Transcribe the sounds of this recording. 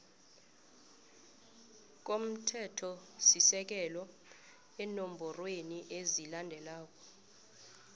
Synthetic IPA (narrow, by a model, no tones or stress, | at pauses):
k̬om̩tʰɛtʰɔsisɛk̬ɛlɔ | ɛnom̩bʱɔrweniʔezilandʱɛlaːk̬ʼɔ̥